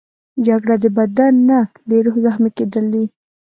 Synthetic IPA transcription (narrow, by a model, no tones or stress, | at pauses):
d͡ʒaɡɽad̪əbad̪anːa | leɾohzaxmaked̪əld̪i